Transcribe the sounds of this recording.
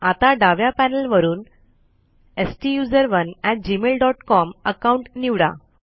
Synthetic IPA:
at̪aɖaʋjapænəlʋəɾuːn | esʈijud͡zəɾʋənɛʈ̚d͡ʑimelɖɔʈkɔməkawuɳʈniʋɽa̰

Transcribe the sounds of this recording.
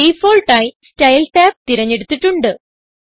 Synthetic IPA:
iːfoːlʈaːjistɐjlʈaːp̚t̪iɾɐɲːe̞ɽut̪ːiʈːuɳɖɨ

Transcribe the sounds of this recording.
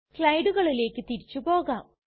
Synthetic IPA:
kɭɐjɖuɣɐɭile̞ːkːɨt̪iɾit͡ɕːupo̞ːɣaːm

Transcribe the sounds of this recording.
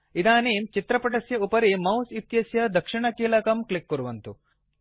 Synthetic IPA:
id̪aːniːmt͡ʃit̪ɾɐpɐʈɐsjɐupɐɾimɐwsit̪jɐsjɐd̪ʱɐkʂiɳɐkiːlɐkɐmklikːuɾuʋɐnt̪u

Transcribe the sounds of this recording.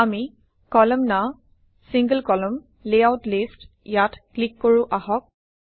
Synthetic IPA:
ami | kɔlɔmna | siŋɡəlkɔləm | leawtlist | jatklikːoɹʊ̃ʔaɦɔk̚

